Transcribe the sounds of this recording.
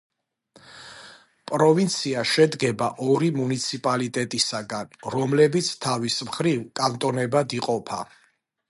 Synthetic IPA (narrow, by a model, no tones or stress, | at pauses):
pʼɾɔvint̪sʰiaʃɛd̪ɡɛbaʔɔɾimunit̪sʰipʼalit̪ʼɛt̪ʼisaɡanɾɔmlɛbit̪sʰt̪ʰavismχɾivkʼant̪ʼɔnɛbad̪iqʼɔpʰa̰